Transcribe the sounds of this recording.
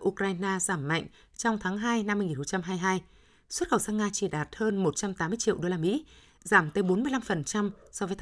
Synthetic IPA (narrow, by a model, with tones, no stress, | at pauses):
ʔu˧kɾaː˧jnaː˧zaː˧˩mːa̰˧˨jŋ̟ | t͡ɕɔ˧wŋ͡mt̪ʰaː˨˦ŋɦaː˧jna˧mːɨ˧jŋi˨˩nho˨˧˩t͡ɕa˧mɦaː˧jɦaː˧j | swt̚xə˨˩wsaː˧nŋaː˧t͡ɕi˧˩ɗaː˨˩t̚həː˧nmo˨˩t̚t͡ɕa˧mt̪aː˨˦mːɨ˧ət͡ɕḭ˧˨əwɗo˧laː˧mḭ˧˥ | zaː˧˩mt̪əː˨˦jɓo˨˦nmɨ˧əjla˧mfə˨˩nt͡ɕa˧msɔ˧və˨˦j̪ʰ